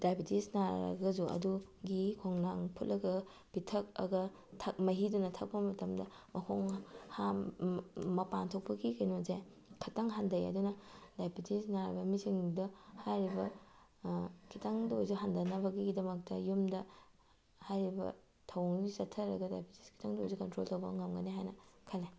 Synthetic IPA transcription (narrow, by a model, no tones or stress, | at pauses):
d̥ajbitisnaɐ̰ɡɐzuɐ̰duɡikʰoŋnaŋpʰut̚lʔɐɡɐ | b̥itʰɐk̚ɐ̰ɡɐ | tʰɐk̚mɐɦidunɐtʰɐk̚pɐmɐtɐmdɐmɐkʰoŋha | mɐpantʰok̚pɐɡikɐjnoze | kʰɐtaŋɦandɐjɐ̰dunɐdajpitisnaɾibɐmisiŋduhajɾibɐ | kʰitʰaŋdojzuɦandɐnɐbɐɡiɡidɐmɐk̚tɐjumdɐ | hajɾibɐ̰ | tʰɐwŋisɐtʰːɐɾɐɡɐdajpiti̥skʰi̥tʰaŋdojzukɐntɾoltɐwbɐ̰ŋɐmɡɐniɦajnɐkʰɐla